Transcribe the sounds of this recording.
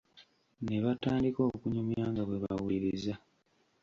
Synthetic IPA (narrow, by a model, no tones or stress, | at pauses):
ne̞βataːndikokuɲomjaːŋɡaɡwe̞βawuiɾiza